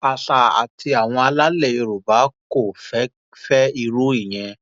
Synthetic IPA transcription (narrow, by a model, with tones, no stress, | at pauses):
a˨ɬa˨a̰˨tʰi˧a˨w̃ɔ̃˧a˧la˦le˦˨i˧ɾu˨ba˨˦ko˦˨fɛ˨˦ | fɛ˦i˧ɾu˦i˦˨j̃ɛ̃˧